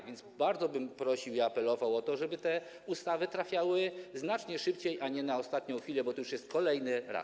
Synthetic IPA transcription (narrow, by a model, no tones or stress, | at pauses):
vʲjɛnzbaɾd̪zɔbɘmpɾɔɕiwiapɛlɔvawɔt̪ɔʐɛbɘt̪ɛ | ust̪avɘt̪ɾafʲjawɘznat͡ʂɲɛʂɘpt͡ɕejʔaɲɛnaɔst̪at̪ɲɔ̃w̃xfʲilɛbɔt̪ɔjuʂjɛst̪̚kɔlɛjnɘɾa̰s